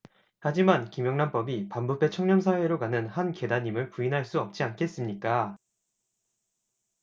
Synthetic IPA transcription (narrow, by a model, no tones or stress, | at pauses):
had͡ʑimankimjʌŋnanp͈ʌbipambupʰe̞t͡ɕʰʌŋɲʌmsʰawe̞ɾokanɯnhanke̞daɲimɯɭpuinɦaɭs͈uʌp̚t͡ɕ͈iankʰe̞s͈ɯmɲik͈a